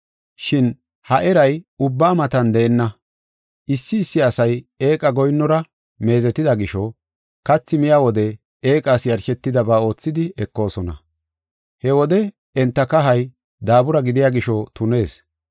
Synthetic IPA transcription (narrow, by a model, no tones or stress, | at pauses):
ʃɪn | hɐʔɛɾɐjʊbːaːmɐt̪ɐnd̪ɛːnːɐ | ʔɪsːɪːsːɪɐsɐje̞ːkʼɐɡɔjnːɔɾɐ | me̞ːzɛt̪ːɪd̪ɐɡɪʃɔ | kɐt͡sːɪmɪjaːwɔd̪ɛ | e̞ːkʼaːsjɐɾʃɛt̪ːɪd̪ɐbaːo̞ːt͡sːɪd̪ɪɛkːo̞ːsɔnɐ̰ | hɛwɔd̪ɛ | ɛnt̪ːɐkɐɦɐj | d̪aːbʊɾɐɡɪd̪ɪjaːɡɪʃɔt̪ʊne̞ːs